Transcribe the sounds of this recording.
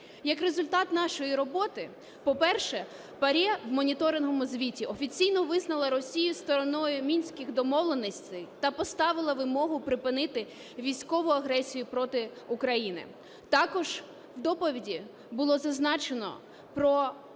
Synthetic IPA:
jɐkrezʊlʲt̪ɑt̪nɑʃɔjiɾɔbɔt̪ɪ | pɔpɛrʃɛ | pɐɾʲɛwmɔnʲit̪ɔɾɪnɦɔmʊzʲʋʲitʲiɔfʲit͡sʲijnɔʋɪznɐlˠɐɾɔsʲijʊst̪ɔɾɔnɔjʊmʲinʲsʲkʲɪɣd̪ɔmɔʋlˠenɪsʲt̪ʲɛjt̪ɐpɔst̪ɑʋɪlˠɐʋɪmɔɦʊpɾɪpɪnɪt̪ɪ | ʋʲijsʲkɔʋʊɐɦɾɛsʲijʊpɾɔt̪ɪ | ʊkɾɐjinɪ̰ | t̪ɑkɔʒ̥ | wd̪ɔpɔʋʲidʲi | bʊlˠɔzɐznɑt͡ʃenɔ̰ | pɾɔ

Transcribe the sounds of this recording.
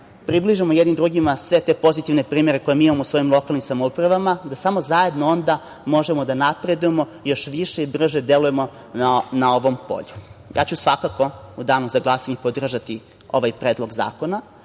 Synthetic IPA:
pɾibliʒimojed̪nimd̪ɾuɡimasʋe̞t̪e̞po̞zit̪iʋne̞pɾiːme̞ɾe̞ko̞jemiimamousʋo̞imlˠo̞kalnimsamoupɾaʋamad̪asamo̞zaje̞d̪noo̞nd̪a | mo̞ʒemod̪anapɾe̞d̪ujemo̞ | jo̞ʃʋiʃeibr̩ʒe̞d̪elujemo̞ | nao̞ʋo̞mpo̰ʎuja̰ːt͡ɕusʋakako̞ud̪aːnozaɡlˠasaɲepod̪r̩ʒat̪i | o̞̰ʋajpɾeːd̪lˠo̞ɡza̰ːko̞na

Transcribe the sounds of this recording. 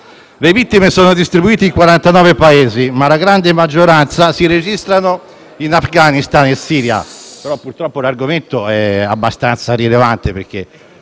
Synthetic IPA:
levit̪ːimesɔːnod̪ist̪ɾibuiːt̪eiŋkwaɾant̪anɔːvepaeːzimalaɡɾand̪emad͡ʒːoɾant̪sasiɾed͡ʒist̪ɾano | inafɡanist̪anesːiːɾja̰peɾɔpːuɾt̪ɾɔpːolarɡoment̪oɛa̰bːast̪ant̪saɾilevant̪epeɾk̟e

